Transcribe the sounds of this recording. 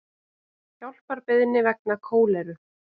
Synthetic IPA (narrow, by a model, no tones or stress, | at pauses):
çawl̥paɾpɪðnɪvɛk̚nakʰoːwlɛɾʏ